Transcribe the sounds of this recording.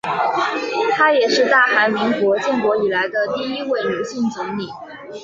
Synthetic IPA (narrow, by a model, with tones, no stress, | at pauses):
t̪ʰa˥jɛ˨˩ʂɻ̩˥˧t̪a˥˩xa˧˥ɪmi˧˥ŋkwɔ˧˥t͡ɕɛ˥˩nkwɔ˧˥i˨˩la˧˥ɪd̪ə˧t̪i˥˩i˥we˥˩ɪnjo˧˥ʊɕi˥˩nt͡sʊ˧˥ŋli˨˩˦